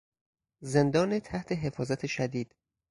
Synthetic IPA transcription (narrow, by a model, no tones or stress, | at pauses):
ze̞nd̪ɒːnet̪ʰæht̪ʰe̞ɦe̞fɒːzæt̪ʰeʃæd̪iːd̪̥